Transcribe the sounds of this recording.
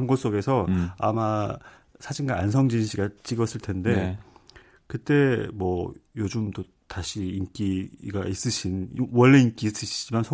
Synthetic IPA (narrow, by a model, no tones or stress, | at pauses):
mɡos͈oɡe̞sʰʌa̰ma | sʰad͡ʑiŋɡaːns̬ʰʌŋd͡ʑinɕʰiɡat͡ɕ͈iɡʌs͈ɯɭtʰe̞nde̞ | kɯt͈e̞mwʌjod͡ʑumdo | taɕʰiːnk͈iɡais͈ɯɕʰinwʌɭːe̞ink͈is͈ɯɕʰid͡ʑimansʰo